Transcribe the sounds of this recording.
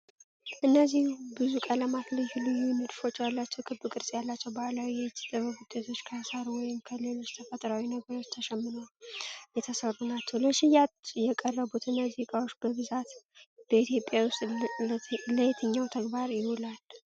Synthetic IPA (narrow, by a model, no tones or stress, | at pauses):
ʔɨnːəzːihubɨzukʼələmat̪lɨjhulɨjunɨd̪fo̞t͡ʃːjalːat͡ʃːɛwkʰɨbɨkʼɨɾsʼjalːat͡ʃːɛwbəalawiɛt͡ʃːt̪ʼɨβəbud̪̥et̪ʰo̞t͡ʃːkʰasaɾwɔjɪmkʰəlɨlut͡ʃt̪ʰəfət̪ʼɾawinəɡəɾo̞t͡ʃːt̪ʰəʃɛmːɨnəjɛt̪ʰəsərːunat͡ʃːɛwləʃɪjat̪jɛkʼərːəβut̪ɨnːəzihkʼawot͡ʃːbəbɨzat̪ | b̥əit̪ʰjo̞pʼjawʊst̪ʼ | ləjɛt̪ʰəɲːawt̪ʰəɡbaɾjɪholal